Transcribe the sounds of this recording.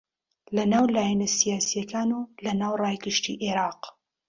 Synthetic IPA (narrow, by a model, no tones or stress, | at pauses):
lɐnaːwlaːjɛnɐsijaːsijɐkʰaːnulɐnaːwraːjɡɨʃtḭːʔeɾɑːq